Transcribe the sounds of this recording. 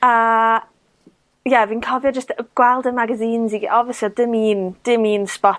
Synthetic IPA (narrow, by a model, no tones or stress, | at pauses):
ə | jɛviːnkʰɔvjɔd͡ʒəstɡ̥wɛlˠdənmaɡaziːnziɔvjəslˠiɔdɪmiːnd̥ɪmiːnspɔ